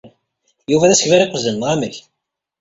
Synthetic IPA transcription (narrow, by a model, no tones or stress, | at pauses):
juvæðæsəçvæɾiqʷːəzlənːʁaməç